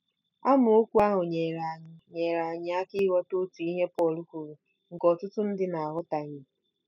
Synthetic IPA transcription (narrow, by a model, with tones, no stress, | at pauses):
a˦mʊ˨o˦kʷu˦a˦ɦʊ˨ɲe˨ɾa˨ɲ˨ɲe˨ɾa˨ɲɪ˦a˦ki˦ɦɔ˦to˦tu˨i˦ɦe˦pɔ˦˨lu˦kʷu˨ɾu˨ | ŋ̩˨kɔ˨tʊ˦tʊ˦n̩˦dɪ˦na˨a˨ɦʊ˦ta˨ɲɪ˨